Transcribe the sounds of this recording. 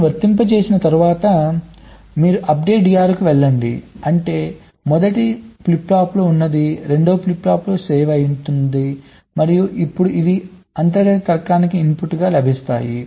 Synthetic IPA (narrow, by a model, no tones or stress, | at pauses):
ʋɐɾt̪impɐt͡ʃe̞ːsinɐt̪ɐɾuʋaːt̪ɐ | miːɾuʔɐp̚ɖe̞ːʈɖijaːɾkuʋɛɭːɐɳɖḭɐɳʈe̞ː | mɔd̪ɐʈiplipːaːplo̞ːunːɐd̪iɾe̞ɳɖoːpliplaːplo̞ːseːʋɐjunt̪und̪i | mɐɾijuʔipːuɽuid̪i | ɐnt̪̬ɐɡɐɐt̪ɐɾkaːnikiːmpuʈːuɡaːlɐbʱist̪a̰ːji